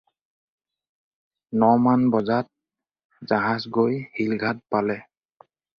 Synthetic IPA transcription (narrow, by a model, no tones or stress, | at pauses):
nɔmanbɔzat̚ | zaɦazɡojhilɡʱat̚palɛ